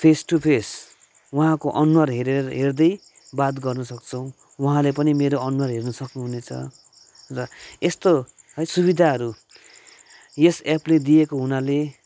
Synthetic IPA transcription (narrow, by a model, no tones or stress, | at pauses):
pʰesʈupʰes | waɦãkoʔʌnuwarɦeɾeɦerd̪ʌj | bat̪ɡʌrnʌsʌk̚t͡sʰʌw̃ | waɦãlepʌnimeɾoʌnuwarɦernʌsʌknuɦunet͡sʰʌ̰ | rʌest̪oɦʌjsuβid̪ʱaɦʌɾu | jesepled̪ijekoɦunale